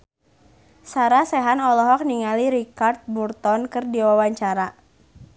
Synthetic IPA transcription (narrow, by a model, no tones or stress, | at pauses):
saɾasɛɦanɔlɔɦɔk̚niŋaliɾikart̪̚burt̪ɔnkɨrdiwawaɲt͡ʃaɾa